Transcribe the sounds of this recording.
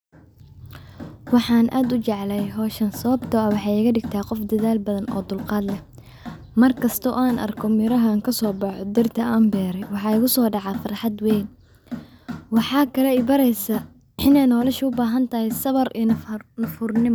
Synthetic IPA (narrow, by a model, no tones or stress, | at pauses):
wɑħɑːnʔaːd̪ʊt͡ʃɛʕlɛjɦɔːʃɐnsɐβɐbt̪ʰɔɐwɑħɑːɛɣɐɖɪɡt̪ʰaːqɔfd̪ɐðaːlbɐðɐnʔɔ̰ːd̪ʊlqɑːd̪lɛh | mɐrkʰɐst̪ʰɔʔaːnʔɐ̰rkʰɔmɪɾɐɦɐŋkʰɐsɔːbɑħɔd̪ɐrt̪ʰɐʔaːmbɛːɾɛjwɑħɑːɪɣʊsɔːɖɑʕɑfɪrħɑd̪wɛːn | wɑħɑːkʰɐlɛɪbɐɾɛjsɐ | ʔɪnɛjnɔːlɐʃɐʊbaːɦɐnt̪ʰɐhɛjsɐβɐrinnɐfʊrnɪm